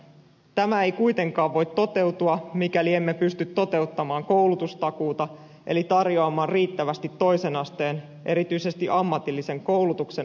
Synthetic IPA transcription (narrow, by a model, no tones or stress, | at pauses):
t̪æmæe̞jkujt̪e̞ŋkɑːʋʋo̞jt̪ːo̞t̪e̞wt̪uɑmikæliemːe̞pyst̪yt̪ːo̞t̪e̞ut̪ːɑmɑːŋko̞wlut̪ust̪ɑkuːt̪ɑ | ʔe̞lit̪ɑrjoɑmɑːnriːt̪ːæʋæst̪it̪ːo̞jse̞nɑst̪e̞ːn | ʔe̞ɾit̪yise̞st̪iʔɑmːɑt̪ilːise̞ŋko̞wlut̪ukse̞